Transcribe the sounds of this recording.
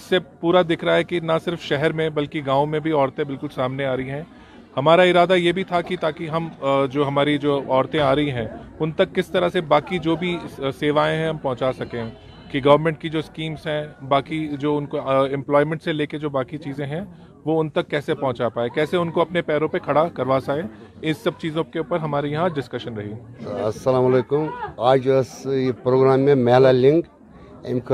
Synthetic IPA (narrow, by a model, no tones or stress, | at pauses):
ɪsːepuːɾad̪ɪkʰɾɐɦaɦɛkinɐsɪɾfʃɛɦɛɾmẽbɐlkiɡãːũmẽbʱiɔːɾt̪ẽbɪlkʊlsaːmneaːɾɐiɦɛ̃ː | hɐmaːɾaɪɾaːd̪ajeːbʱit̪ʰakit̪aːkiɦɐmd͡ʒoːɦɐmaːɾid͡ʒoːɔːɾt̪ẽaːɾɐɦiɦɛ̃ːʊnt̪ɐkːɪst̪ɐɾasebaːkid͡ʒoːbʱiseːʋaːẽɦɛ̃ɦɐmpɔ̃ɦt͡ʃaːsɐkẽ | kiɡɐʋəɾmɛ̃ɳʈ̚kid͡ʒoːskiːmsɦɛ̃ːbaːkid͡ʒoːʊnkoɪ̃mplɔːɪmɛ̃ɳʈseleːked͡ʒoːbaːkit͡ʃiːzẽɦɛ̃ | ʋoʊnt̪ɐkːɛːsepɔɦʊ̃t͡ʃapaːekɛːseʊnkoɐpnepɛːɾõpekʰɐɽakɐɾʋaːsaːeɪ̃nsɐb̚t͡ʃiːzõkeuːpəɾɦɐmaːɾijɐɦãɖɪskɐʃənɾɐɦiɐsːɐlaːmɐleːkʊmaːd͡ʒɐspɾoːɡɾaːmːẽmɛːlalɪ̃ŋɡ | ḛmk